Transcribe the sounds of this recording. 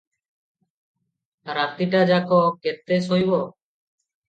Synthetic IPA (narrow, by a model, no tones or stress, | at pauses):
ɾat̪iʈad͡ʒakoket̪ːesojbo